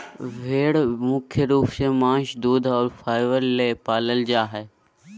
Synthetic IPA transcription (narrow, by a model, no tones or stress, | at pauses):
ʋʱeːɽmʊkʰjəɾuːfsemãːʃd̪uːd̪ʱɔːɾfʰaːɪʋəɾleːpaːləld͡ʒaːɦɛː